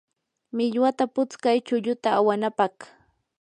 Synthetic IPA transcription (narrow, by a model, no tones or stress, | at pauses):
mɪʎwat̪apʊt͡skajt͡ʃʊʎʊt̪aːwanapɑχ